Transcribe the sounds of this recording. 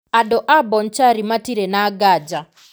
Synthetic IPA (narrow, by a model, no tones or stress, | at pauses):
adɔʔabɔnt͡ʃaɾimatiɾɛnaɡad͡ʒa